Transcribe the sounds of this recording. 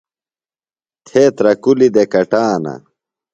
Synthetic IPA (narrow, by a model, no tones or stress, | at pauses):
t̪ʰeːt̪ɾɐkulid̪ekɐʈaːnɐ̰